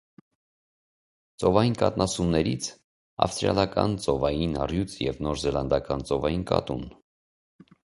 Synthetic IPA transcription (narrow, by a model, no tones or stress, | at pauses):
t͡sɔvɑjinkɑt̪nɑsumnɛɾit͡sʰ | ɑ̰fst̪ɾjɑ̰lɑkɑ̰nt͡sɔvɑjinɑrjut͡sʰjɛvnɔɾzɛlɑnd̪ɑkɑnt͡sɔvɑjinkɑ̰t̪un